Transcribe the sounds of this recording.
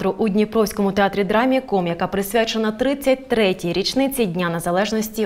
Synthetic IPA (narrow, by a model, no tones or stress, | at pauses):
t̪ɾʊʔudʲnʲipɾɔwsʲkɔmʊt̪eat̪ɾʲid̪ɾamʲiikɔmjɐkapɾɪsʲʋʲat͡ʃenɐt̪ɾɪt͡sʲːɐt̚ʲt̪ɾɛtʲijɾʲit͡ʃnɪt͡sʲijdʲnʲanɐzɐlˠɛʒnɔsʲtʲi